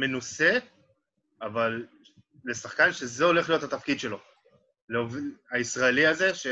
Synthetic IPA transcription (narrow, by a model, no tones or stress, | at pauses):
me̞nuse̞ | avalː | e̞saχkanʃe̞zeo̞le̞χlijo̞t̪hat̪afkid̪ʃe̞lo̞ | leovaisʁaeliaze̞ʃe